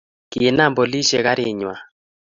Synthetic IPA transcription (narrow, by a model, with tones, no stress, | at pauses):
kɪ˨e˨na˦˨mbo˨li˦ʃe˨ka˦ɾɪ˨ɲwa˨